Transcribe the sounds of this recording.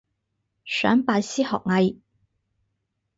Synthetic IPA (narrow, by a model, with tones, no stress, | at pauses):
sœ̰ː˨˥ŋpaː˧jsiː˥hɔː˨k̚ŋɐ˧j